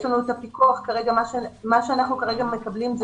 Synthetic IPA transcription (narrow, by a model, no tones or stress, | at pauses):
ʃlanuet̪apikuaχkaʁe̞ɡamaʃemaʃeanaχnukaʁe̞ɡame̞kablimz